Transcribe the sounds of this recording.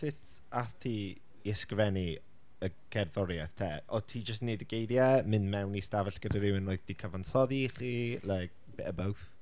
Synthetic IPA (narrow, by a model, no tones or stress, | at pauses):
sɪtʰ | aθtʰiː | ɛskrvɛni | əɡ̥ɛrðɔɾjaθtʰɛːɔtʰiːd͡ʒəstnedəɡejdjɛmɪnmɛwnistavɛɬɡ̥ədaɾɪwɪnoɨðd̥ikʰəvansɔðiχiːlˠɛɡ | b̥ɛəbawθ